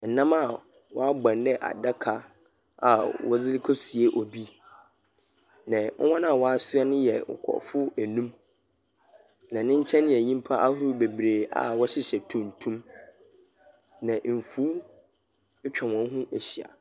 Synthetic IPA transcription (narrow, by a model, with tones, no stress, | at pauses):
n̩˨nã˦ma˦˨ | wɔ˦a˦bã˨ndɛ˦ʔa̰˨da˦kʰa˦ | a̰˨wɔ˦d͡zɪ˦li˦kʰɔ˦si˨e˦ʔɔ˨bi˦ | nã˨ŋ̩̰˦wɔ̃˦nã˦˨wɔ˦a˦sʊ˦ɛ˦nʊ̃˦jɛ˨ŋʊ̰˨kʰɔ̰˨fʊ˦æ˨nũ˦m | nã˨nɪ̃˦ɲ̩˦t͡ɕʰɛ̃˦nɪ̃˦˨ɛ˨ɲĩ˦m˦pʰa˦ʔa˦hʊ˦ɾʊ˦be˨bɾeː˨a̰˨wɔ˦ɕɪ˦ɕɛ˨tʰũ˦n˨tʰũ˦m | nã˨ʔm̩˨fuː˦ | ɛ˦t͡ɕᶣʰɛ˨wɔ̃˨˦ɦũ˦ʔe˨ɕi˨a̰˨